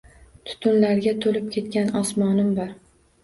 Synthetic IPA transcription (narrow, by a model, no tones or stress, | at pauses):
t̪ʰʊ̥t̪ʰʊnlaɾɡʲat̪ʰolɪp̚kʲʰe̞t̪kʲanɒsmɒnɪmbɒɾ